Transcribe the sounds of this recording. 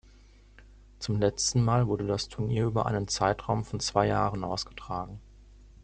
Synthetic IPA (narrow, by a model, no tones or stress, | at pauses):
t͡sʊmlɛt͡stn̩maːlvʊɐdədastʰʊɐniːɐʔyːbɐʔa̰ɪnənt͡saɪtʁ̥aʊmfɔnt͡sv̥aɪja̰ːʁənʔa̰ʊsɡ̥ətʁ̥aːɡŋ̩